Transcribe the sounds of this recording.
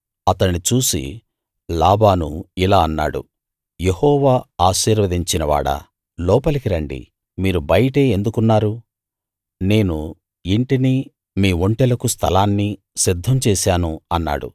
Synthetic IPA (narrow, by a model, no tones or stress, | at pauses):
ɐt̪ɐnit͡ʃuːsḭ | laːbaːnuilaːɐnːa̰ːɽṵ | jehɔːʋaːaːʃiːɾʋɐd̪iɲt͡ʃinɐʋa̰ːɽɐ̰ | lɔːpɐlikiɾɐɳɖḭ | miːɾubɐjɐʈe̞ːend̪ukunːaːɾu | ne̞ːnu | iɳʈini | miːʋoɳʈɛlɐkust̪ʰɐlaːnːi | sid̪ʱːɐmt͡ʃɛːsaːnuɐnːa̰ːɽṵ